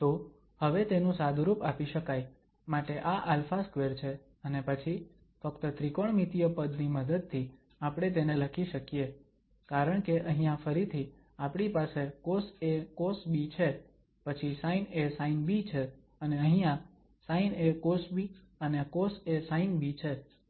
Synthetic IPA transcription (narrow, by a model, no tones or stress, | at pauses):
t̪o | həʋet̪enũsad̪ʱɾupapiʃəkaj | maʈeʔaʔalfaskʋeɾt͡ʃʰe | ənepət͡ʃʰi | fəkt̪ət̪ɾikoɳmit̪ijəpəd̪niməd̪əd̪̚t̪ʰi | apɽ̃et̪̬eneləkʰiʃəkije | kaɾəɳkeʔəɦĩjãfəɾit̪ʰi | apɽ̃ipasekosekosbit͡ʃʰe | pət͡ʃʰisainesainbit͡ʃʰe | əneə̃ɦĩjã | sainekosbi | ənekosesainbit͡ʃʰe